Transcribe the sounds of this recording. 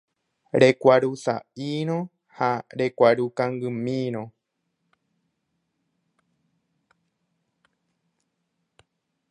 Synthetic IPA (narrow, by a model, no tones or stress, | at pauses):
ɾe̞kʷaɾusa̰ʔiɾ̃õ | haɾe̞kʷaɾukãŋɡɨmĩɾ̃õ